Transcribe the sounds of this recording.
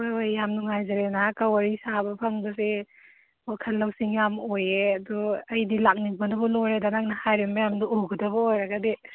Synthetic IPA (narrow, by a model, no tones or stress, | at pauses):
ojojːamnuŋajzaɾenakawaɾisabɐpʰɐŋbɐse | wakʰɐlːɐwsiŋjamojeɐduɐjdilak̚niŋbɐnubɔnoɾedanak̚nɐhajɾembɐjamnuuɡɐdɐbɐojɾɐɡade